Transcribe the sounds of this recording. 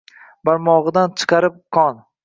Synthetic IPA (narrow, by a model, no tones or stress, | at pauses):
baɾmɒʁɨd̪ant͡ʃʰɨ̥qʰɑɾɪp̚qʰɒn